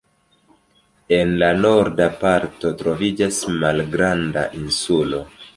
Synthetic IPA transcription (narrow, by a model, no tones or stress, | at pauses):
e̞nlano̞ɾdapaɾto̞tɾo̞vid͡ʒasmalɡɾanda̰ʔinsulo̞